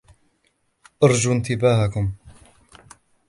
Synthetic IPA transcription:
ʔɑɾˤd͡ʒuːnt̪ɪbaːhakʊm

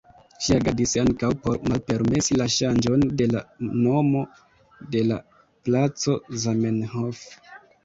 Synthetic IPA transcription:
ʃiaɡadisaŋkawpo̞ɾmalpe̞ɾme̞silaʃand͡ʒo̞nde̞la̰no̞mo̞ | de̞la̰ | plat͡so̞zamenɦof

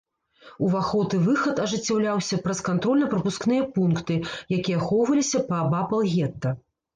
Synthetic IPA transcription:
uvaxɔt̪ɨvɨxɐt̪ɐʐɨt͡sʲːawlʲawsʲɐpɾɐskant̪ɾɔlʲnɐpɾɐpusknɨjɐpunkt̪ɨjakʲijɐxɔwvɐlʲisʲɐpɐːbapɐlˠɣʲɛt̪ːɐ

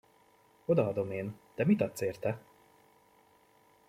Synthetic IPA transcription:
o̞d̪ɒɒd̪o̞meːnd̪̥ɛmit̪ɒt̪seːrt̪ɛ

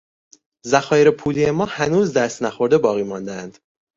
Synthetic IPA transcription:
zæxɒːjeɾepʰuːliemɒːhænuːzd̪æst̪næxo̞ɾd̪e̞bɒːɣiːmɒːnd̪æænd̪̥

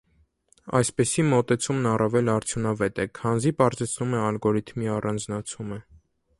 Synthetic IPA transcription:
ɑ̰jspɛsimɔt̪ɛt͡sʰumnɑrɑvɛlɑɾt͡sʰjunɑvɛt̪ɛkʰɑnzipɑɾzɛt͡sʰnumɛɑlɡɔɾit̪ʰmiɑrɑnd͡znɑt͡sʰumə

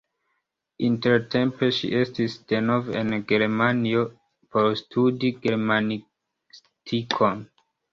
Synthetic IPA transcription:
inteɾtʰe̞mpeʃḭʔe̞stisd̥enovḛnɡeɾmanio | poɾstʰudiɡe̞ɾmani | s | tʰikʰon

